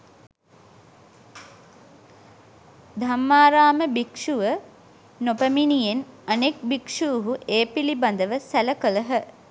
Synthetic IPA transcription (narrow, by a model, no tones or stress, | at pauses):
d̪ʱamːaːɾaːməbikʂuʋə | nopəminijenanek̚bikʂuːɦuʔeːpiliband̪əʋəsæləkələɦə